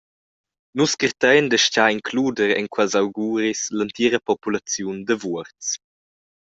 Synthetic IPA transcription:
nuskərt̪ɛjnd̪əʃcaiŋkʰluːdəɾɛ̰ŋkʰwɛlzawɡuːɾislant̪iɾəpɔpulat͡sjund̪əvuəɾt͡s

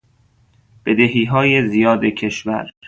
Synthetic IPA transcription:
b̥e̞d̪eɦiːɦɒːjezijɒːd̪ecʰe̞ʃvæ̰ɾ

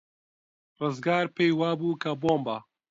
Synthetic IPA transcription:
rɨzɡaːɾpeːjwaːbuːkaboːmba

